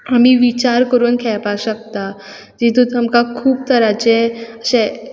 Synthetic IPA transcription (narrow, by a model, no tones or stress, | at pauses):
amiʋit͡ɕaɾkəɾuːnkʰɛɭpaɕək̚t̪a | d͡ʑit̪ut̪əmkakʰuːb̚t̪əɾat͡ɕeəɕẽ